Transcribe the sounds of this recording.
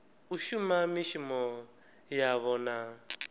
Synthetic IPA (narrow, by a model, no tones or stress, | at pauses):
uʃumamiʃimɔ | jaβɔna